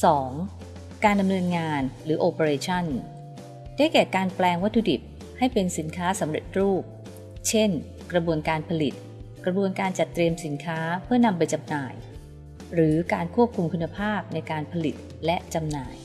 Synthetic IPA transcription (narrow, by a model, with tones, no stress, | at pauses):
sɔː˩˦ŋ | kaː˧nda˧mnɤː˧nŋaː˧nɾɯː˩˦ʔoː˧pa˧ɾeː˧t͡ɕʰa˥˩n | daː˥˩jkɛː˨˩kaː˧nplɛː˧ŋwa˦˥t̪ʰːu˧di˨˩p̚ | ha˥˩jpe˧nsi˩˦nkʰaː˦˥sa˩˦mɾḛ˨˩t̪̚ɾuː˥˩p̚ | t͡ɕʰe˥˩n | kɾa˧bu˧ənkaː˧npʰa˧li˨˩t̪̚ | kɾa˧bu˧ənkaː˧nt͡ɕa˨˩t̪ːɾi˧əmsi˩˦nkʰaː˦˥pʰɯ˥˩əna˧mpa˧jt͡ɕa˧mnaː˨˩j | ɾɯː˩˦kaː˧nkʰu˥˩əp̚kʰu˧mkʰu˧nːa˧pʰaː˥˩p̚na˧jkaː˧npʰa˧li˨˩t̪̚ | lɛ˦˥ʔt͡ɕa˧mnaː˩j